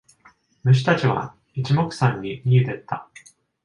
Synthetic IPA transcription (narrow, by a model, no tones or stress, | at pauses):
mɯ̟ɕ̬i̥t̪at͡ɕiβ̞a̰ | it͡ɕimo̞kɯ̟̥sãɲ̟ːimʲiɯd̪e̞t̪ːa